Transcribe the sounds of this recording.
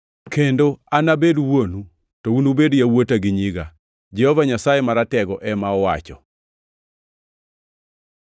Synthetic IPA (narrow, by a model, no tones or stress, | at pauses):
kendoanabedwonu | tounubedjawotaɡɪɲiɡa | d͡ʒɛhɔvaɲasajemaɾatɛɡɔʔɛmaɔwat͡ʃɔ̰